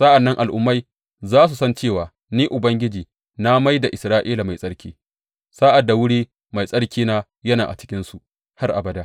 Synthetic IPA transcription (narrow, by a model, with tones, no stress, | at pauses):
sɐ˦ʔa˨nːɐ˦ŋʔa˨lʔʊ˦mːa˦j | zaː˦s̬u˨sɐ˦nt͡ʃeː˦˨waː˨ | niː˦ʔʊ˨bɐ˦ŋɡʲɪ˦d͡ʒiː˨ | na˦ma˦jda˨ʔɪ˨sɾaː˦ʔiː˦la˨ma˨jsʼɐ˦ɽkʲiː˦ | saː˦ʔa˨dːa˨wʊ˦ɽiː˦ | ma˨jsʼɐ˦ɽkʲiː˦naː˦ | jɐ˦naː˨ʔa̰˨t͡ʃɪ˦kʲɪ˦nsu˨ʔ | ha˦rʔa˨bɐ˨˦daː˦